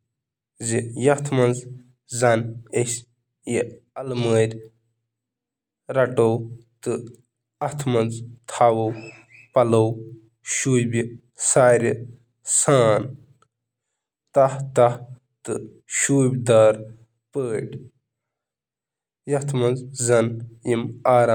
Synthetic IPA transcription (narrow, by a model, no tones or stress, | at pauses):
zijɐht̪ʰmɐnz | zɐnes | ji | ɐlməːɾʲ | ɾɐʈowt̪ɨ | ɐht̪ʰmɐnzt̪ʰaːwow | pɐlow | ʃuːjbʲi | saːɾʲi | saːn | t̪ɐht̪ɐh | t̪ɨ | ʃuːbʲd̪aːɾ | pəːʈʲ | jɐt̪ʰmɐnzzɐnjimaːɾa